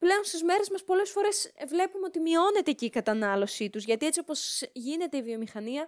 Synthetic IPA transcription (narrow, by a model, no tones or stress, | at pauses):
ple̞o̞nst̪izme̞ɾe̞zmɐspo̞le̞sfo̞ɾe̞sevle̞pumeo̞t̪imio̞ne̞t̪e̞ciːkɐt̪ɐnɐlo̞sit̪uzʝɐt̪iet͡sio̞po̞zʝine̞t̪e̞ivio̞mixɐniɐ